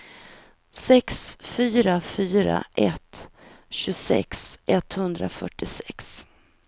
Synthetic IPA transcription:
sɛksfyːɾafyːɾa̰ʔɛt̪ | ɕɵsɛ̰ksʔɛt̪hɵnd̪ɾa̰fœʈːɪsɛks

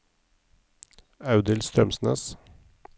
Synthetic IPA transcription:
ɑʉd̪əlst̪ɾœmsn̩ə̰s

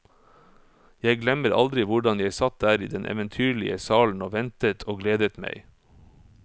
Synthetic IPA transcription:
jæɪɡlɛməɾɑ̰ld̪ɾɪʋʊɖɑnjæɪsɑt̪̚d̪æːɾḭːd̪ɛnʔɛ̰ʋənt̪ʰyːɭɪəsɑːln̩oːʋɛnt̪ət̪ʰoːɡleːd̪ət̪mæ̰ɪ

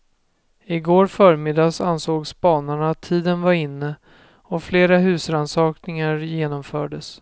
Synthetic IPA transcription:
ɪɡoːɾfœːɾmɪd̪ɑːsansoːɡsbɑːnaɳaːt̪ʰːiːd̪ənvaɾɪnːə | ɔfleːɾaɦʉ̟ːsɾansɑːknɪŋaɾjeːnɔmfœːɖəs

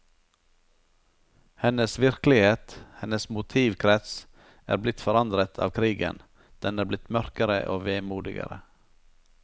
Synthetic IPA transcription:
hɛnəsʋɪɾklɪheːt̪hɛnəsmʊt̪ʰiːʋkʰɾɛt̪s | æ̰ːɾblɪt̪fɔɾɑnd̪ɾət̪ʰɑ̰ːʋkʰɾiːɡə̰n | d̪̥ɛnæːblɪt̪mœɾkəɾə̰ʔo̰ːʋeːmuːd̪ɪɡə̰ɾə

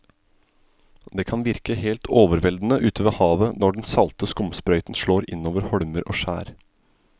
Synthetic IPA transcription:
d̪eːkʰɑnʋɪɾkəheːlt̪ʰoːʋəɾʋɛld̪n̩əʔʉːt̪ʰəʋeːhɑːʋənɔɖɛnsɑlt̪əskʊmspɾœʏt̪n̩ʃɭoːɾɪ̰noːʋəɾhɔɽməɾʔo̰ːʃæ̰ːɾ

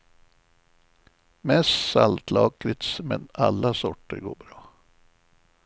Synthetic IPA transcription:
mɛst̪salt̪lɑːklɪt̪smɛ̰na̰lːasɔʈːəɾɡo̰ːbɾɑː

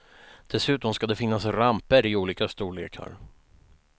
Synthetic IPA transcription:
d̪̥ɛsʉ̟ːt̪ɔmskad̪ɛfɪnːasɾampəɾɪuːliːkast̪uːɭḛːkʰa̰ɾ

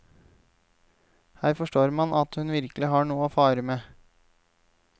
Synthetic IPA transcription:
hæːɾfɔʂʈoːɾmɑnʔɑt̪hʉnʋɪɾkəlɪɦɑːɳuːəoːfɑːɾəmeː

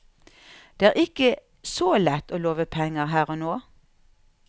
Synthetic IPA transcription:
d̪̥eːæːʁɪkə | soːlɛt̪oːloːʋəpʰɛŋəʁɦæːʁoːnoː

